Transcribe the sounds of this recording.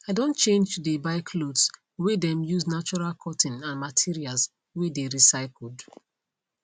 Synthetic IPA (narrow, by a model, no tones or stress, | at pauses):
aɪdõntt͡ʃẽnd͡ʒtudebaɪkʰlods | wedɛ̃mjuznat͡ʃɔɹalkʰɔtʰĩnãnmatʰiɹials | wedeɹisaɪkl̩d